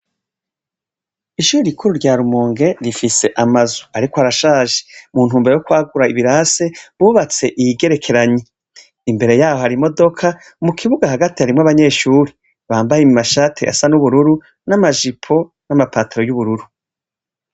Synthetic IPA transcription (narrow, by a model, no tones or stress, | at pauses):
iʃuːɾiikʰuɾuɾɟaːɾumuːŋɡe̞ɾifise̞ʔamazuaɾikohaɾaʃaːʒe̥muːnhuːmbe̞ɾejokwaːɡuɾaiβiɾaːse̞βuːβat͡se̞ʔijiɡe̞ɾe̞kʰe̞ɾaɲi | imbe̞ɾe̞jaːho̞haɾimo̞do̞kʰa | mukʰiβuɡaɦaɡatihaɾimŋaβaɲe̞ːʃuːɾi | βaːmbajemimaʃaːtʰḛʔa̰sanuβuɾuɾu | namaʒipʰo̞ | namapaːteɾo̞juβuɾuɾu